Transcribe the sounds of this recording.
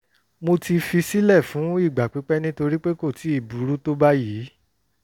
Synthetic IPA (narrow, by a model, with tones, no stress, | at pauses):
mo˧ti˧fi˧si˦lɛ˦˨fũ˨˦i˦˨ɡ͡ba˨k͡pi˨˦k͡pɛ˦nĩ˦to˧ɾi˦k͡pe˦ko˦˨ti˨˦i˦˨bu˨˦ɾu˦to˦ba˦ji˨˦